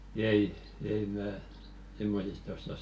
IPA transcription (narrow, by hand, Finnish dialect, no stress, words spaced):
ei ei mæː simːosistɑ osːɑs